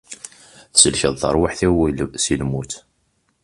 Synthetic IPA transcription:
θsəlçəðˤθə̰ɾˤwaħθæwisilmut̪

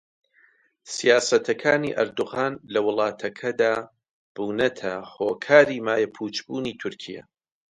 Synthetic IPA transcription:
sijaːsɐt̪ʰɐkʰaːnḭʔɐ̰ɾd̪uɣaːnlɐwɨlˠɑːt̪ʰɐkʰɐd̪aː | b̥uːnɐt̪ʰɐhoːkʰaːɾiːmaːjɐpʰuːt͡ʃbuːniːt̪ʰʊɾkʰijɐ̰

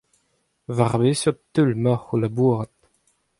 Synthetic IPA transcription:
vaʁbesɔt̪ːylmaχulabuːʁət̪̚

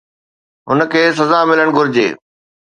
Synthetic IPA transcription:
ɦʊnə̆kʰeːs̬ɐzamɪləɽ̃ɡʱʊɾɪd͡ʑḛː

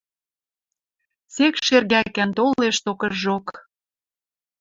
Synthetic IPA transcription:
sekʃerɣækænt̪oleʃt̪okɤ̆ʒok

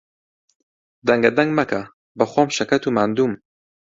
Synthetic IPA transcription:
d̪ɐŋɡɐd̪ɐŋɡmɐkʰɐ | bɐxoːmʃɐkɐt̪umaːnd̪uːm

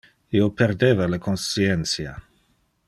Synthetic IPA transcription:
ioperd̪eːvalakʰonsient̪sja̰

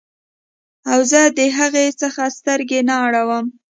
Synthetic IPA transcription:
awzəd̪əɦaɣesəxast̪əɾɡenaaɽawəm

